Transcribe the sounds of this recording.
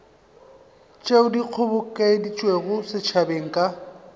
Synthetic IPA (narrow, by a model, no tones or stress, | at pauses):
t͡ʃʼeʊdiq͡χʰʊbʊkʼedit͡ʃʼweɣʊsɪt͡ʃʰabeŋ̩kʼa